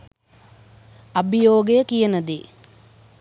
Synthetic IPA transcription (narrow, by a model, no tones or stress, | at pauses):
ɐbijoːɡejəkijənəd̪e